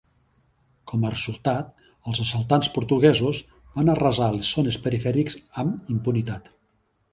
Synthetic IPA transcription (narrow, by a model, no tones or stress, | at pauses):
kʰɔmərəzulˠt̪at̪ | əlˠzəsəlˠt̪anspuɾt̪uɣɛzuz | banərəzalesːonespəɾifɛɾikzəmimpunit̪at̪